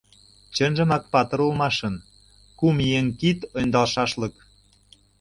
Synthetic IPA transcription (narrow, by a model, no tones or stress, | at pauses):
t͡ɕənʒə̆mɑk̚pɑt̪ɤ̆ɾɤ̆lˠmɑʃɤ̆n | kumieŋkit̪ŏnʲd̪ɑlʃɑʃlɤ̆k